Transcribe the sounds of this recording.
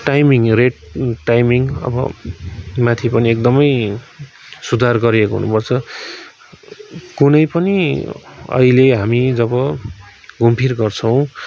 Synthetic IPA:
ʈajmiŋreʈʈajmiŋʌ̰bʌ̰ | mãt̪ʰipʌniek̚d̪ʌmʌj | sud̪ʱarɡʌɾiekoɦṵnupʌrt͡sʰʌ | kunʌjpʌni | ʌ̰ileɦamid͡zʌbʌ | ɡʱumpʰirɡʌrt͡sʰʌw̃

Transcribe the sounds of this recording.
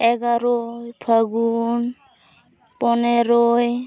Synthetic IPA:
ɛɡaɾojpʰaɡun | pɔneɾoj

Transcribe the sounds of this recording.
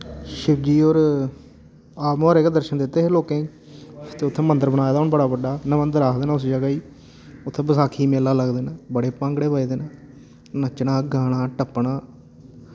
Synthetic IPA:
ʃɪbd͡ʒiːoːɾ | aːmːɾeːkad̪əɾʃənd̪ɪt̪ːeːɦeːloːkẽː | t̪eːʊt̪ʰːẽːmə̃nd̪əɾbənaːjaːd̪aɦʊnbəɽaːbəɖaːnəmənd̪əɾaːkʰd̪eːnaːʊsd͡ʒaɡaːiː | ʊt̪ʰːẽːbəsaːkʰiːmeːlaːləɡd̪eːnaːbəɽeːpãːŋɡɽeːbəiːd̪eːnaː | nət͡ʃnaːɡaːɽ̃aːʈəpːɳaː

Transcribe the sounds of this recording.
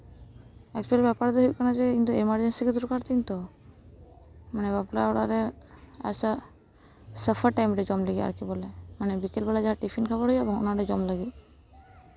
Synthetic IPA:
ɛkt͡ʃualbɛpaɾd̪ɛɦojkɔnad͡ʒekint̪uemaɾd͡ʒensiked̪uɾkaɾt̪ʰint̪o | manebaplaoɽaɾea̰sa | səfʰaɾʈajmɾed͡ʒɔmleɡia̰ɾkibɔlemanebikelbɛlad͡ʒaɦaʈipʰinkʰabaɾɦojɛbɔŋo̰naɾed͡ʒɔmlaɡi

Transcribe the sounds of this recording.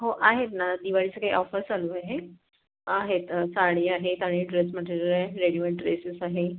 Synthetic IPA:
ɦoʔaɦet̪nad̪iʋaɭit͡səkaɦḭʔɔfəɾsaluːaɦe | aɦet̪saɽ̃iːaɦet̪aɽ̃iːʈɾesmaʈiɾɾeɾeɽiʋəɳʈɾesəsaɦe

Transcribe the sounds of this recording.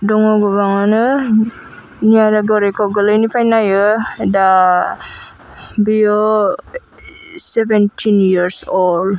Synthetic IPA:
dɔŋɔɡɔbaŋɔnɯ | nijaɾaɡɔɾekʰɔɡɯlɯjnipʰajnajɯda | bijɔ | sɛbentʰinjiɾsɔl

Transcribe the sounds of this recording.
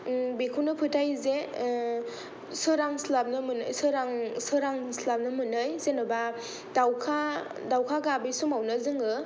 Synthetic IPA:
bekʰunɯpʰɯtʰajze | sɯɾaŋslap̚nɯmɯnɯjsɯɾaŋsɯɾaŋslap̚nɯmɯnɯjzenɯba | dawkʰa | dawkʰaɡabisumawnɯzɯŋɯ

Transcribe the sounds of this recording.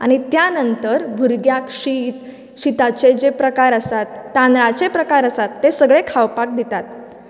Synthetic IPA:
aɽ̃it̪janənt̪əɾbʱuɾɡjakɕiːt̪ | ɕit̪at͡sed͡ʑepɾəkaɾəsat̪ːanɾat͡sepɾəkaɾəsat̪ːesəɡɭekʰawpak̚d̪it̪at̪

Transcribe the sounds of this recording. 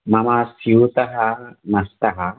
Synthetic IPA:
mɐmasiwt̪ɐɦamɐst̪aɦa

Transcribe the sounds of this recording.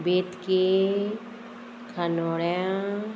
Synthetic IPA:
bet̪ke | kʰanoɽjã

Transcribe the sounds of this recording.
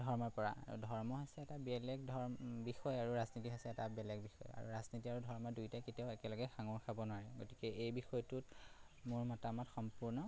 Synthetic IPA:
dʱɔɹmɔɹpɔɹa̰a̰ɹṵdʱɔɹmɔɦɔsɛːtabɛlɛɡdʱɔɹbixɔjaɹuɹaznitiɦɔsɛːtabɛlɛɡbixɔ̰ja̰ɹṵɹaznitiaɹudʱɔɹmɔdujtajkitiaʊɛkɛlɔɡɛxaŋuɹkʰabɔnʊaɹɛɡo̰ti̥kɛʔejbixɔjtut | mʊɹmɔtamɔtxɔmpuɹnɔ

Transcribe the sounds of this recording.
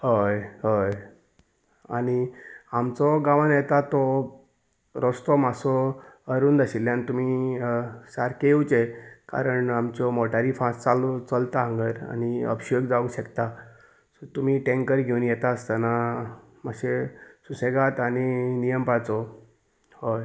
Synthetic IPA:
ɦojɦoj | a̰niamt͡sɔɡãʋãnjɛt̪at̪ɔ | ɾɔst̪ɔmasɔəɾuːnd̪əɕilːjanit̪um̤i | saɾkeut͡seka̰ɾəɳamt͡ɕɔmɔʈaɾifãst͡salɔt͡səlt̪aɦə̃ŋɡəɾa̰niə̰pɕəɡd͡zauːɕəkt̪a | sɔt̪um̤iːʈẽŋkəɾɡʱeunjɛt̪aəst̪ana | məɕesuseɡat̪aɽ̃inijəmpat͡sɔ | hoj

